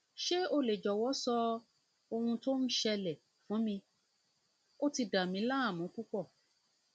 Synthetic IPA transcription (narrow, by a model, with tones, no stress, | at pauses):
ʃe˦o˦le˨d͡ʒɔ˨wɔ˨˦sɔ˧ | o˧hũ˧to˦n̩˦ʃɛ˧lɛ˨ | fũ˨˦mĩ˧ | o˦ti˧da˨mĩ˨˦la˦a˦˨mũ˨˦ku˦k͡pɔ˦˨